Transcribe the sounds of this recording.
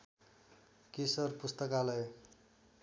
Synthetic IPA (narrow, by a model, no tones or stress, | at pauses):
kisʌrpust̪ʌkalʌj